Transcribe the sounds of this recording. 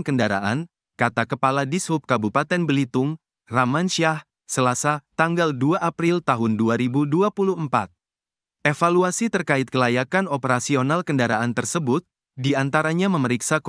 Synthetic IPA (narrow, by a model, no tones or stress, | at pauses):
kəndaɾa̰ʔa̰n | kat̪akəpaladishʊp̚kabupat̪ɛnbəlit̪ʊŋ | ramanʃiah | səlasat̪aŋɡalduaʔapɾilt̪aɦʊnduaɾibuduapuluhɦmpa̰t̪̚ | ʔefaluasit̪ərkaɪt̪̚kəlajakanɔpəɾasionalkəndaɾaʔant̪ərsəbʊt̪̚ | diant̪aɾaɲaməməɾiksak